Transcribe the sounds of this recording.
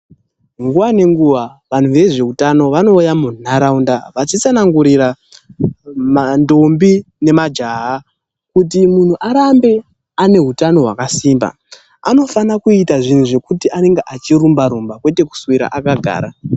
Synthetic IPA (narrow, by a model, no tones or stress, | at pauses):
ŋɡuʋane̞ŋɡuʋaʋan̤uʋe̞ʐe̞utano̞ʋano̞ːjamunaɾaundaʋat͡ʃit͡sanaŋɡuɾira | mando̞mbi | ne̞mad͡ʒaɦa | kut̬imun̤uʔaɾambe̞ | ane̞ɦutano̞ɦwa̰kasiːmba̰ | a̰no̞fanakuitaʐin̤uʐe̞kutiʔane̞ŋɡeʔat͡ʃirumbaɾumbakwe̞te̞ku̥swiɾa̰ʔakaɡʱa̰ːɾa